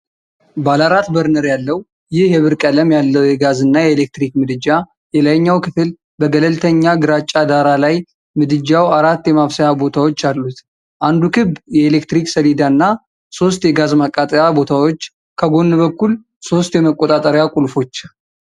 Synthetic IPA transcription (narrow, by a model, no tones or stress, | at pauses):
balaɾat̪bəɾnəɾjalːəw | jɪhjɛβɨɾkʼələmjalːəwjɛɡazɨnːajɛelek̚t̪ɾikmɨd̪ɨd͡ʒa | jɛlajɲːawkʰɨfɨl | bəɡələlt̪ʰəɲːaɡɨɾat͡ʃʼːad̪aɾalaj | mɨd̪ɨd͡ʒawaɾat̪ːjɛmaβsəjabo̞t̪ʰawo̞t͡ʃːalːut̪ | ʔand̪ukʰɨbjɛelekt̪ɾiksəlid̪aɨnːa | so̞st̪jɛɡazmakʼːat̪ʼəjabo̞t̪ʰawo̞t͡ʃː | kʰəɡo̞nːbəkːul | so̞st̪jɛməkʼːo̞t̪ʼat̪ʼəɾjakʼulfo̞t͡ʃː